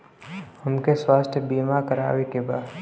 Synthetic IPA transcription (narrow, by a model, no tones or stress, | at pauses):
hɐmkeswaːst̪ʰəbiːmakəɾa̰ːwekeba̰ːd̪